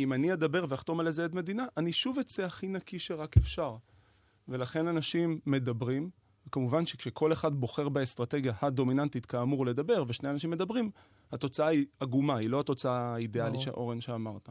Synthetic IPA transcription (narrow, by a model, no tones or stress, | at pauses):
imaniad̪abe̞ʁveaχt̪o̞malezeed̪me̞d̪inaʔaniʃuvet͡seaχinakiʃe̞ʁakefʃaʁ | ve̞laχe̞nanaʃimːe̞dabʁim | kamuvanʃekʃekʰo̞leχadbo̞χe̞ʁbaest̪ʁate̞ɡjahad̪o̞minantit̪kaːmuʁle̞d̪abe̞ʁveʃne̞janaʃ̬imːe̞d̪abʁim | hato̞t͡saaiaɡumailo̞ato̞t͡saaidealiʃea̰ʔo̞ʁenʃeamaʁt̪a